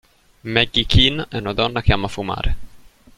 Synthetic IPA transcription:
mɛɡikʰinɛnɔd̪ɔnakʰamːafuma̰ɾ

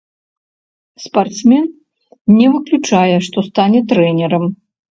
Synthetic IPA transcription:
spart̪smʲɛn | nʲɛvɨklʲut͡ʂajɛʂt̪ɔst̪anʲɛt̪ɾɛnʲɛɾɐm

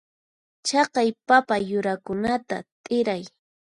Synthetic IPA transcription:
t͡ʃɑqɑjpapajʊɾakʊnat̪a̰t̪ʼɪɾaj

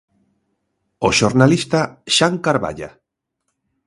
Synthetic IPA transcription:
oʃoɾnalist̪aʃaŋkaɾβa̰ʎa̰

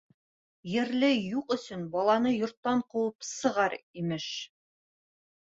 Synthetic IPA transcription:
jɘ̆ɾlɘjuqɵ̆sɵnbɒlˠɑnɤjŏɾt̪ːɑɴquwɤpsɤ̆ʁɑɾimɘʃ

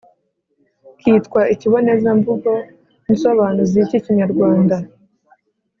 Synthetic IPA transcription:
kiːtkwaʔiciβo̞ne̞zaɱvuɡo̞ | ninsoβaːnuziciciɲaɾɡwaːnda

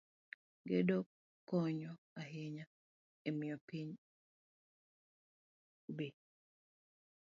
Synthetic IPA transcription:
ɡedo | kɔɲɔ | aɦeɲa | emɪɔpiɲ | ubi

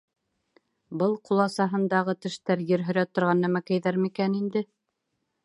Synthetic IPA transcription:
bɤlˠqulˠɑsɑɦɤ̆nd̪ɑʁɤt̪ɘ̆ʃt̪æɾjɘɾɦɵ̆ɾæt̪ːŏɾʁɑnːæmækæ̆jðæɾmikænind̪ɘ

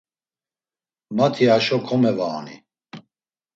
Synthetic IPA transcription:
mat̪ʰiaʃɔkʰɔmɛvaːnḭ

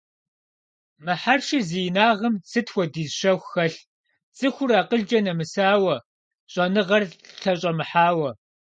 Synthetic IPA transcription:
mɨħarʃiziːjnaːʁɐmsʰɨtʰwʷɔdiːzʃɐxʷxɐɬ | t͡sʼɨxʷʊɾaːqəɮd͡ʒɐnɐmɨsaːwɐ | ɕʼɐnɨʁɐrɬʰɐɕʼɐmɨħaːwɐ

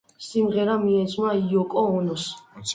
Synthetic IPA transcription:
simʁɛɾamiɛsʰʼnaiɔkʼɔɔnɔs

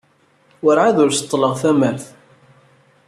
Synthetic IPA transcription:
wəɾʕaðʊɾsə̥t̪ˤːləʁθæmæθ

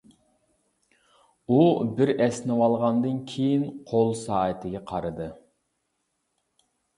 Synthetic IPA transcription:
ubɪɾɛsnɨwɑlˠʁɑnd̪ɨnkʲʰejinqʰolˠsɑːət̪ʰɪɡʲɛqʰɑɾɨd̪ɨ

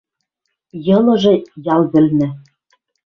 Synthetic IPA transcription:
jɤ̆lˠɤ̆ʒɤ̆jɑlˠzɘ̆lnɘ̆

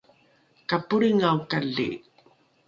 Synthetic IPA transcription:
kapuɾiŋawkaɮḭ

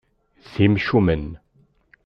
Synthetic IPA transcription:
θimʃumən

